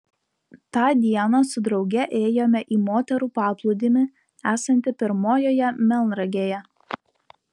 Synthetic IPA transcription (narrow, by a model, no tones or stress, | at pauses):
t̪ɑːd̪ʲiɛnɑsʊd̪ɾɒʊɡʲɛʔeːjoːmʲɛʔiːmoːt̪ʲɛɾuːpɑːplˠʊd̪ʲɪmʲɪ | æːsɐnʲt̪ʲɪpʲɪɾmoːjoːjɛmʲɛlˠnɾɐɡʲeːjɛ